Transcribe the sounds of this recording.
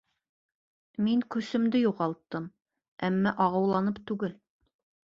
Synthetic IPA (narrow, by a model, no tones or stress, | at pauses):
miŋkɵ̆sɘ̆md̪ɘjuʁɑlˠt̪ːɤm | æmːæʔɑʁɤ̆wlˠɑnɤpt̪ʉɡɘl